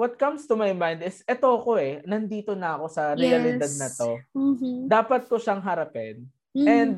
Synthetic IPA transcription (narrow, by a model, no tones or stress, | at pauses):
wɐt̪̚kɐmst̪umajmãjnd̪ɪsʔɛt̪oʔɐko̞ɛnɐnd̪iːt̪o̞nɐɐko̞sɐɾɛɐlɪd̪ad̪̚nɐt̪o̞ | d̪aːpɐt̪̚koʃaŋɦɐɾɐpɛn | ɛnd̪̚